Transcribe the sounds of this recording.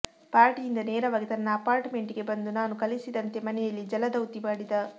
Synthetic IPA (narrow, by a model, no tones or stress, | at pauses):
paːɾʈijind̪ɐnɛːɾɐʋaːɡit̪ɐnːɐːpaːɾʈme̞ɳʈiɡe̞bɐnd̪unaːnukɐlisid̪ɐnt̪e̞mɐnɛjɐlːid͡ʒɐlɐd̪ɐwt̪iʋaːɽid̪ɐ